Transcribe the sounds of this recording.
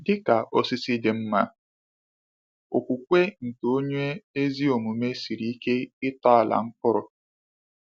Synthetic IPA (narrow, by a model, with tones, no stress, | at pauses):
dɪ˦ka˨ʔɔ˨sɪ˦sɪ˦dɪ˨m̩˦ma˦ | o˨kʷu˨kʷe˦ŋ̩˨to˦ɲe˦e˦zi˦o˨mu˨me˦si˨ɾi˨˦i˦ke˦ɪ˦ta˦a˨la̰˨ŋ̩˦kʊ˦ɾʊ˨